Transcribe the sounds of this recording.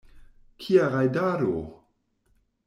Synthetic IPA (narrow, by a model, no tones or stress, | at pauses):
kʰiaʁajdaːɾo̰